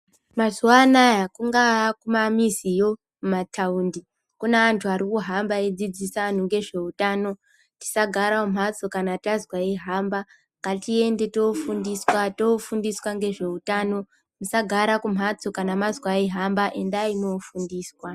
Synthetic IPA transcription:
mazuwanajakuŋɡakumamizijo̞ | mumatʰaundi | kuneantʰuaɾikuɦambaed͡zid͡zisan̤uŋɡe̞ʐe̞utaːno̞ | ti̥saɡʱaɾaom̤at͡sokanatazwaiɦamba | ŋɡatie̞nde̞to̞fundiswato̞fundiswaŋɡe̞ʐe̞utano̞ | musaɡʱaɾakum̤at͡so̞kanamazwaiɦambaʔe̞ndaimofundiːswa

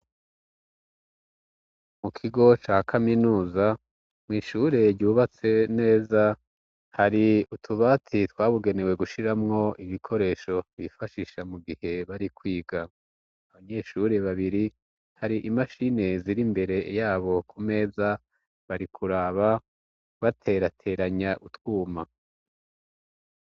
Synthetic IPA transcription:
mukʰiɡo̞t͡ʃaːhakʰaminuːza | mŋiːʃuɾe̞ɾɟuːβat͡se̞ne̞ːza | haɾiutʰuβaːtʰitwaːβuɡe̞ne̞we̞ɡuʃiɾamŋo̞iβikʰo̞ɾe̞ːʃo̞βifaʃiʃamuɡihe̞βaɾikwiːɡaː | βaɲe̞ʃuɾe̞βaβiɾi | haɾiʔimaʃine̞ziɾimbe̞ɾe̞jaːβo̞kʰume̞ːza | βaɾikʰuɾaːβa | βatʰe̞ɾatʰe̞ɾaɲaʔutwuːma

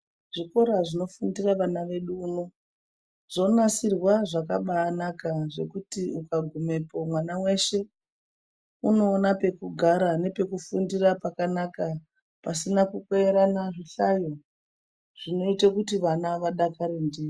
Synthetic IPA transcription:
ʐ̥iko̞ɾaʐino̞fundiraʋanaʋe̞ɗuːno | ʐ̥o̞nasirwaʐakaɓaːnakaʐe̞kutiukaɡʱume̞po̞mwanawe̞ʃe̞ | uno̞ːnape̞kuɡʱaɾane̞pe̞kufundirapakanaka | pasinakukeeɾanaʐiɬajo | ʐ̥ino̞itakutiʋanaʋaɗakaɾendiːi

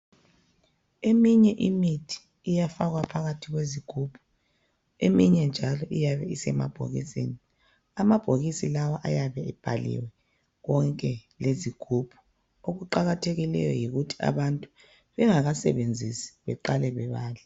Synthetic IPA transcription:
emiɲɛʔimitʰi̥ː | jafaɣwapʰaɣatʰiɣweziɡ̥ʱuːpʰu̥ | emiɲɛnd͡ʒʱalɔʔijaβɛisɛma̰b̥ʱo̰ɣḭsḛːni | amab̥ʱoɣisilawaʔajaβɛɛb̥ʱalḭwɛ | ɣɔŋkʼɛleziɡ̥ʱub̥ʱu̥ | oɣuǃaɣatʰeɣilɛ̰jɔ̰jiɣutʰi̥a̰βantʼu | βɛŋaɣasɛ̰βend͡zʱisi̥βɛǃalɛβɛβaːla

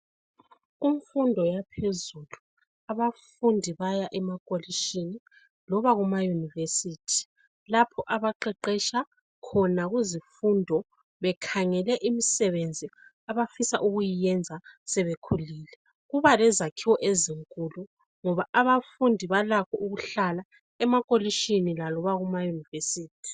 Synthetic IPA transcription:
iɱfundʱɔjapʰezulu | aβafundʱiβajaʔɛmakʼoliʃini | lɔβaɣumajunivesitʰi̥ | lapʰɔʔaβaǃɛǃɛʃa | kʰɔnaɣuzifundʱɔ | βɛkʰaŋɛlɛʔimisɛβend͡zʱi | aβafisa̰ʔuɣujijɛnd͡zʱasɛβekʰuliːlɛ | ɣuβalɛzakʰiwɔʔeziŋkʼulu | ŋɔβaʔaβafundʱiβalakʰɔʔuɣuɬala | ɛmakʼoliʃinilalɔβaɣumajunivesiːtʰi̥

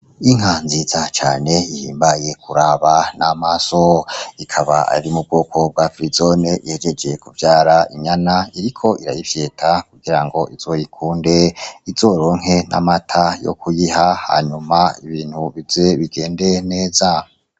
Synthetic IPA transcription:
iŋ̥anzizat͡ʃa̰ːne̞ihḭːmbaje̞kʰuɾaβanamasoikʰaβaʔa̰ɾimub̚ɡoːkʰo̞b̚ɡafɾizoneʔihed͡ʒe̞d͡ʒe̞kuvjaːɾaiɲanaiɾikʰo̞ʔiɾa̰jivje̞ːtʰakuɡiɾaŋɡo̞ʔiz̥o̞jikʰuːnde̞iz̥o̞ːɾo̞ŋe̞na̰matʰajo̰kʰujihaha̰ɲumaiβiːnhuβizeβiɡe̞ːnde̞ne̞ːza

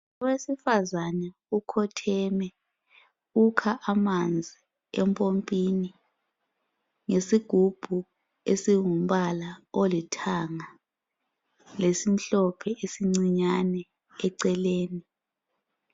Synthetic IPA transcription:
ɔwesifazanɛ | ukʰɔtʰɛmɛ | ukʰaʔamand͡zʱi | ɛmpʼompʼini | ŋesiɡ̥ʱub̥ʱu | esiŋum̩ɓalaolitʰaŋa | lesim̩ɬɔpʰɛʔesiŋ͡ǀiɲanɛː | ǀɛleːni

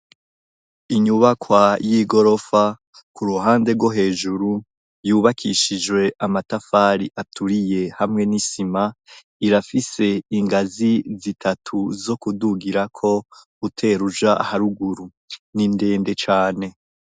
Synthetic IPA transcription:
iɲuβakwajiɡo̞ɾo̞fa | kuɾuɦaːnde̞ɾɡwoɦe̞ːʒuɾu | juːβakʰiʃid͡ʒwe̞ʔamatafaɾiʔatʰuɾije̞hamŋe̞nisima | iɾafise̞iŋɡazizitʰatʰuzo̞kuduɡiɾakʰo̞ | utʰe̞ɾuʒahaɾuɡuɾu | ninde̞ːnde̞t͡ʃaːne̞

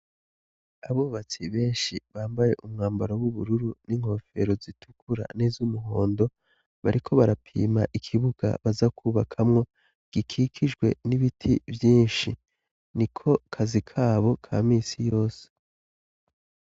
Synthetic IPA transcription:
aβoːβat͡siβe̞ːnʃiβaːmbaje̞ʔumŋaːmbaɾowuβuɾuɾuniŋ̥ho̞fe̞̰ɾo̞zitʰu̥kʰuɾa̰nezumuɦo̞ːndo̞ | βaɾikʰo̞βaɾapʰḭːmaʔikʰiβuɡ̥a̰βazakʰuːβakʰamŋo̞ | ɡ̥ikʰiːkʰid͡ʒɡwe̞̰niβitʰivjiːnʃi | nikʰo̞kʰazikʰaːβo̞kʰa̰ːmiːsijo̞ːse̥

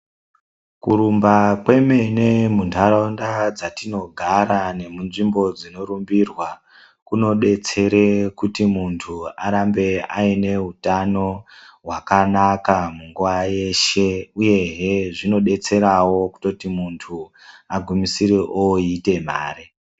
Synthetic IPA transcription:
kuɾumbakwe̞me̞ne̞muntʰaɾondad͡zatino̞ɡʱaɾane̞munʐimbo̞d͡zino̞ɾumbirwa | kuno̞ɗe̞t͡se̞ɾekutimuntʰuaɾambe̞aine̞utano̞ɦwakanakamuŋɡuʋaje̞ʃe̞uje̞ɦeʐino̞ɗe̞t͡se̞ɾawo̞ku̥to̞timuntʰu | aɡʱumisiɾeʔoite̞m̤a̰ːɾe

